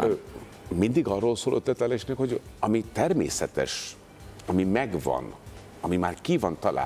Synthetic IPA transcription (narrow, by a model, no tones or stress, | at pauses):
mind̪iɡɒrːoːlsoːlʔø̰t̪ːɛt̪lɛleʃnɛkho̞ɟɒmit̪ɛrmḛːsɛt̪ɛ̰ʃ | ɒmimɛɡvɒ̰n | ɒmimaːrkivɒnt̪ɒla̰ː